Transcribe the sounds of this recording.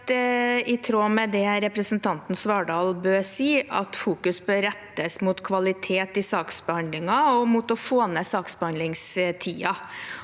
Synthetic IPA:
ɪt̪ʰɾoːmɛd̪ɛɾɛpɾəsn̩t̪ʰɑnt̪n̩sʋɑːɖɑːlbøːɾsiːʔɑ̰t̪fuːkʉsbøːɾɛt̪ːəsmʊt̪kʰʋɑlɪt̪ʰeːt̪ɪsɑːksbəhɑnd̪lɪŋɑɔmut̪ɔfoːnəsɑːksbəhɑnd̪lɪŋst̪ʰiːɑ

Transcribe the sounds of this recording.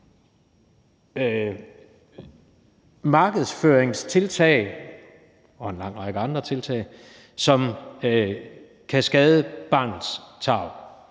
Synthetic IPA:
mɑ̈ːɡ̥əð̞ˠsføːɐeŋst͡sʰe̝lt͡sʰɛ̰ɪ | ɒ̽enlɑ̈ŋ̰ʁɑ̈ɡ̥əɑ̈nd̥ʁɐt͡sʰe̝lt͡sʰɛ̰ːɪ | sɒ̽m | kʰæsɡ̥ɛːð̞ˠəb̥ɑ̈ːnð̩ˠst͡sʰɑ̈ʊ

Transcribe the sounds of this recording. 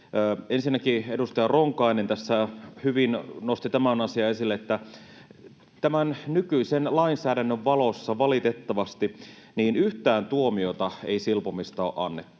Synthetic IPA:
ensinːækiedust̪ɑjɑroŋkɑinent̪æsːæhyʋinnost̪it̪æmænɑsiɑesilːeet̪ːæ | t̪æmænnykyisenlɑinsæːɾænːøʋʋɑlosːɑʋɑlit̪et̪ːɑʋɑst̪iniːnyht̪æːnt̪uomiot̪ɑḛisilpomist̪ɑo̰ʔɑ̰nːet̪ːu̥

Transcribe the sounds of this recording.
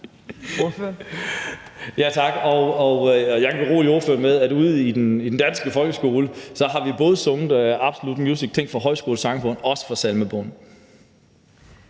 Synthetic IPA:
jæt͡sʰɑ̈ɡ̥ɒɒjɑ̈ɪɡʰæʁo̝̰ːlio̝ɐføɐmeðˠæduð̞̰ˠid̥enid̥end̥ænsɡ̥əfɒ̽lɡ̥əsɡ̥o̝ːləsɒ̽ɦɑ̈ʋib̥ɔ̽ːð̞ˠəsɔʊnð̩ˠɑ̈b̥so̝lud̥mjuːsiɡ̥̚t͡sʰeŋ̰̥fʁɑ̈ɦɒ̽ɪ̰sɡ̥o̝ːl̩sɑ̈ŋfɔ̽n̰ɒ̽sə̥fɑsælməb̥ɔ̽n̩

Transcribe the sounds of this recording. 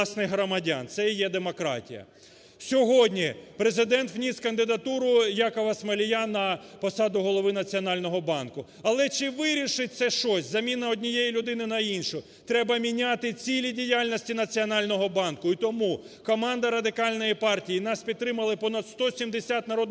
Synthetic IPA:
snɪjɦɾɔmɐdʲa̰nt̪sɛjɛd̪emɔkɾɑ̰tʲḭjɐ̰ | sʲɔɦɔdʲnʲipɾezɪd̪ɛnt̪ʋnʲiskɐnd̪ɪd̪ɐt̪uɾʊjakɔʋɐsmɐlʲijanɐpɔsɑd̪ʊɦɔlˠɔʋɪnɐt͡sʲiɔnɑlʲnɔɦɔbɑnkʊ | ɐlˠɛt͡ʃɪʋɪɾʲiʃɪt̚ʲt̪sɛʃt͡ʃɔsʲzɐmʲinɐɔdʲnʲijejilʲʊd̪ɪnɪnɐinʃʊ | t̪ɾɛbɐmʲinʲat̪ɪt͡sʲilʲidʲijalʲnɔsʲtʲinɐt͡sʲiɔnɑlʲnɔɦɔbɑnkʊit̪ɔmu | kɔmɑnd̪ɐɾɐd̪ɪkɑlʲnɔjipɑrtʲijinɑspʲid̪̚t̪ɾɪmɐlˠɪpɔnɐd̪st̪ɔsʲimd̪esʲat̪nɐɾɔd̪nɪ

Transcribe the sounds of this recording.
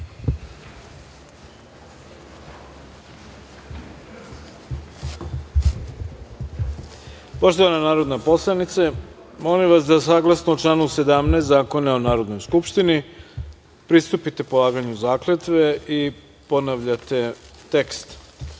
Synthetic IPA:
poʃt̪oʋananaːɾo̞d̪napo̞slˠanit̪se | mo̞limʋasd̪asaːɡlˠasnuoʈ͡ʂlaːnuse̞d̪amnest̪zaːko̞naonaːɾo̞d̪no̞jskupʃt̪ini | pɾist̪upit̪e̞polˠaːɡaɲuzaːklet̪ʋeʔi | ponaʋʎat̪e̞t̪ekst̪

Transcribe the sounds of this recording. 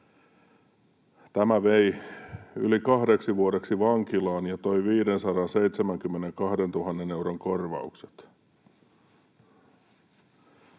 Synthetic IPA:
t̪æmæʋej | y̰likɑɦdeksiʋuoɾe̞ksiʋɑŋkilɑːnjɑt̪o̞jʋiːdensɑɾɑnse̞it̪semæŋkymːeneŋkɑhde̞nt̪uɦɑnːene̞wɾoŋkorʋɑ̰ukse̥t̪

